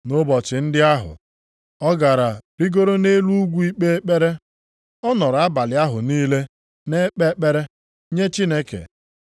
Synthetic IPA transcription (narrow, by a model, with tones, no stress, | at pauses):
no˦bɔ˨t͡ʃɪ˨n̩˦dɪ˦a˦ɦʊ̰˨ | ɔ˦ɡa˨ɾa˨ɾi˦ɡo˦ɾo˦ne˦lu˦u˦ɡʷu˦i˦k͡pe˦e˦k͡pe˦ɾe˦ | ɔ˦nɔ˨ɾa˦ba˨lɪ˨a˦ɦʊ˨niː˦le˦ | ne˦k͡pe˦k͡pe˦ɾe˦ | ɲe˦t͡ʃi˦ne˦kḛ˨